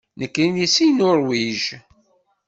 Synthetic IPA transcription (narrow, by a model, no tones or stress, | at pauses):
nəkːɾinisijnʊɾwiʒ